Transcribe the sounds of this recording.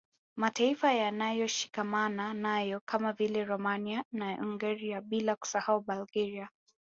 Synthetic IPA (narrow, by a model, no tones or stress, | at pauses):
mataifajanajɔʃi̥kamananajɔkamavilɛɾɔmanianaʔuŋɡaɾiaɓilaku̥sahauɓalɡɛɾia